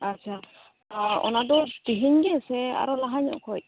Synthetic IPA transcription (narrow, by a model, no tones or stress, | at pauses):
at͡ʃʰa | ɔ̰nadɔd̪iɦiɲɡɛsɛa̰ɾɔlaɦaɲɔ̰ʔkʰɔc̚